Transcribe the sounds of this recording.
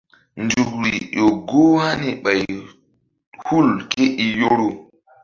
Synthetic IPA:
ndu˨kɾi˨ɗo˨ɡo˦ha˦ni˨ɓa˨j | hu˦lke˦ʔi˨jo˦ɾo˨

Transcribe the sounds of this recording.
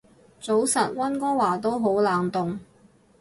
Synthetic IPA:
t͡so˨˥wsɐ˨t̚wɐ˥nkɔː˥waː˨˩t̪o˥wɦo˨˥wlaː˨ŋt̪ʊ˨ŋ

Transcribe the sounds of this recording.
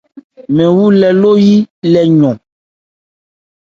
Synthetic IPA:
mɛ̃˨wu˦lɛ˨lo˦ji˦lɛ˨ɲɔ̃˨

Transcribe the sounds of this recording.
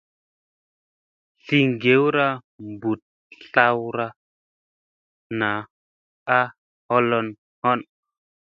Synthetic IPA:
ɬi˦ŋɡe˨˦wɾa˦ | mbu˨t̚ | ɬa˦wɾa˧ | na˨˦ | a˦ | hɔ˦lɔ˧n | hɔ˦n

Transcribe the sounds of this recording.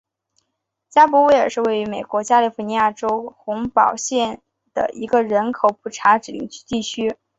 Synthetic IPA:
t͡ɕja˥pɔ˧˥we˥ɪə˞˨˩ʂɻ̩˥˧we˥˩ɪy˧˥me˨˩ɪkwɔ˧˥t͡ɕja˥li˥˩fu˧˥ni˧˥ja˥˩ʈ͡ʂo˥ʊxʊ˧˥ŋpɑ˨˩ʊɕjɛ˥˩n | d̪̥ə̰˩ʔi˧˥ɡə˧ɻə˧˥nkʰo˨˩˥ʊpʰu˨˩ʈ͡ʂʰa˧˥ʈ͡ʂɻ̩˨˩li˥ŋt͡ɕʰt̪i˥˩t͡ɕʰy˥

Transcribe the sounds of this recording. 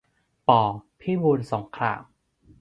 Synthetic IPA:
pɔː˨˩pʰiː˥˩wu˧nso˩˦ŋkʰɾa̰ː˧˩m

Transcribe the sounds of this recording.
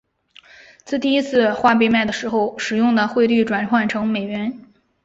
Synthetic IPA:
t͡sɹ̩˥˧t̪i˥˩i˥t͡sʰɹ̩˥˧xwa˥˧p̬e˥˧ma˥˩ɪd̪ə˩ʂɻ̩˧˥xo˧ʊʂɻ̩˨˩jʊ˥˩ŋd̪ə˩xwe˥˧ɪly˥˩ʈ͡ʂwa˨˩nkʰwa˥˩nʈ͡ʂʰɤ˧˥ŋme˨˩ɪɥɛ˧˥n

